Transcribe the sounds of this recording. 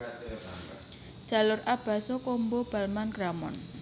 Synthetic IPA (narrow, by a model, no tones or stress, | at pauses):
d͡ʒ̥a̤lʊrʔab̥a̤sɔkombob̥a̤lmanramɔ̰n